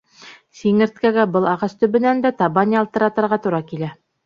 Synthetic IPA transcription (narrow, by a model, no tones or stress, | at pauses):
siŋɘ̆ɾt̪̚kæɡæbɤlˠɑʁɑst̪ɵ̆βɘ̆nænd̪æt̪ɑβɑnʲiɑlˠt̪ɤ̆ɾɑt̪ɤ̆ɾʁɑt̪uɾɑkilæ